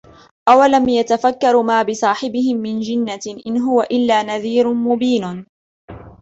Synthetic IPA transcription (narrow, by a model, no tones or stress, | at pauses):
ʔawalamjat̪afakːɑɾˤmaːbɪsˤɑːħɪbɪhɪmːɪnd͡ʒɪnːaʔɪnɦʊwaʔɪlːaːnaðiːɾʊmʊbiːn